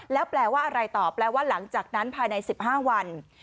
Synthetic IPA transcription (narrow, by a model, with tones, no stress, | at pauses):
lɛː˦˥wplɛː˧waː˥˩ʔa˧ɾa˧jt̪ɔː˨˩plɛː˧waː˥˩la˩˦ŋt͡ɕaː˨˩k̚na˦˥npʰaː˧jna˧jsi˨˩p̚haː˥˩wa˧n